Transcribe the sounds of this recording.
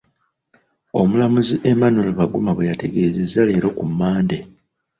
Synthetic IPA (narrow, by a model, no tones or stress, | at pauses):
o̞mulamuziʔe̞manoluβaɡumaβwejate̞ɡe̞zezːale̞ːɾo̞kumːaːnde